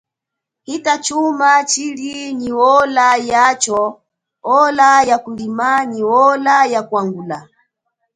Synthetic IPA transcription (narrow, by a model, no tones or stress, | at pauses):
hitat͡ʃumat͡ʃiliniwɔlajat͡ʃɔ | ɔlajakulimaniwɔlajakwaŋɡula